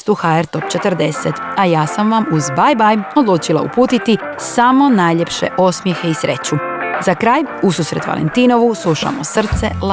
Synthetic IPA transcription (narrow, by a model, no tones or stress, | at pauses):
t̪uxaeɾt̪o̞pt͡ɕet̪r̩d̪e̞set̪ajaːsamʋamuzbajbajo̞d̪luːt͡ʃilˠa̰ṵpuːt̪it̪i | samo̞naːjʎe̞pʃḛʔo̞smjexe̞isɾe̞t͡ɕuzakɾaːjususɾe̞t̪ʋa̰lḛnt̪iːno̞ʋuslˠuʃa̰mosr̩t̪se̞̰l